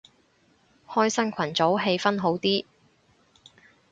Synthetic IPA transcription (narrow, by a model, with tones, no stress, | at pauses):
hɔː˥jsɐ˥nkʷʰɐ˨˩nt͡so˨˥wɦe˧jfɐ˥nɦo˨˥wt̪iː˥